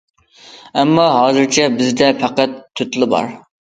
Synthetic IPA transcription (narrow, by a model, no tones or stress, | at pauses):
ɛmːɑɦɑːzɨɾt͡ʃʰɛbɪzd̪ɛpʰæqæt̪ʰːyt̪lˠɨbɑ̰ɾ